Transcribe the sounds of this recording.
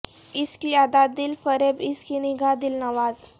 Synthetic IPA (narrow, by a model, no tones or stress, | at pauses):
iskiad̪ad̪iːlfəɾebiskiniɡʱad̪iːlnəʋaz